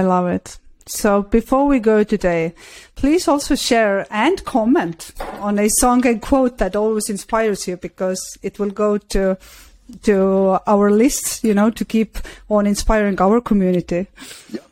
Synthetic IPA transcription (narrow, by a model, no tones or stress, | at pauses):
ɪlʌvɪtsoʊbɨfɔɹwiɡoʊtɨdeɪpʰl̥izɔlˠsoʊʃɛɹɨ̃nkʰɑmɛ̃ntə̃nɨsɔ̃ŋɨ̃nkʰw̥oʊt̪̚ðɨɾɔlˠwizɨ̃nspaɪə˞zjɨbɨkʰʌz̥ɨt̚wɪlˠɡoʊɾʰu | tʰuaʊə˞lɪstsjɨnoʊɾɨkʰipə̃nɨ̃nspaɪɹɪ̃ŋaʊə˞kʰəmjʉnɨti